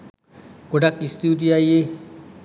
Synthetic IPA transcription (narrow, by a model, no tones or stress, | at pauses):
podak̚tist̪idiaje